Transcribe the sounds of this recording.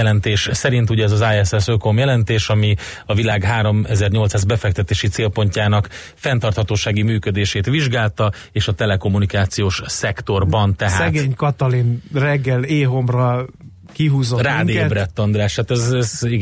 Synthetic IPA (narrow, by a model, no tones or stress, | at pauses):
ɛlɛnt̪eːʃsɛɾint̪̬uɟɛɛzɒzaːjɛsɛsøkomjɛlɛnt̪eːʃɒmi | ɒvilaːɡɦaːɾo̞mɛzɛrɲo̞lt̪saːzbɛfɛk̚t̪ɛt̪eːʃit̪seːlpo̞ɲcaːnɒk | fɛnt̪ɒrt̪hɒt̪oːʃaːɡimyːkød̪eːʃeːt̪ʋiʒɡaːlt̪ɒ | eːʃɒt̪ɛlɛko̞mːunikaːt̪sijoːʃsɛkt̪o̞rbɒnt̪ɛɦaːsɛɡeːɲkɒt̪ɒlinrɛɡːɛleːɦo̞mrɒ | kiɦuːzoraːd̪obrɛt̪ːond̪raːʃhaːt̪ɛzɛzi